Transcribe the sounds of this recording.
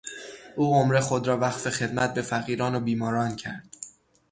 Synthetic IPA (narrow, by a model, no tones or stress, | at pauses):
ʔuːomɾe̞xo̞d̪ɾɒːvæxfe̞xe̞d̪mæt̪̚be̞fæɣiːɾɒːnobiːmɒːɾɒːncʰæ̰ɾd̪̥